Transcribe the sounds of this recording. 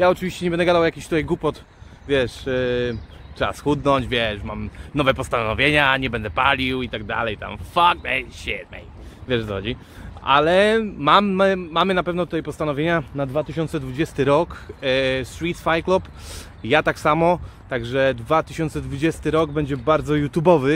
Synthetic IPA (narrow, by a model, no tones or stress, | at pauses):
jaɔt͡ʂɨvʲiɕt͡ɕɛɲɛbɛnd̪ɛɡad̪awjakʲiɕt̪ut̪ajɡupɔt̪ | vʲjɛʂ | tɛa̰sxud̪nɔɲd͡ʑvʲjɛʂmamnɔvɛpɔst̪anɔvʲjeɲaɲɛbɛnd̪ɛpalʲiwit̪aɡ̚d̪a̰lɛjt̪a̰mfak̚d̪ɛɕɛ̰d̪̚mɛ̰j | vʲjɛʂɔxɔd͡ʑi | ʔa̰lɛmammamɘnapɛvnɔt̪ut̪ajpɔst̪anɔvʲjeɲanad̪vat̪ɘɕɔnsɛd̪vud͡ʑɛst̪ɘɾɔk | sɾit̪fajklɔp | jat̪aksamɔt̪aɡʐɛd̪vat̪ɘɕɔnt̪sɛd̪vud͡ʑɛst̪ɘɾɔɡbɛɲd͡ʑɛbaɾd̪zɔjut̪jubɔvɘ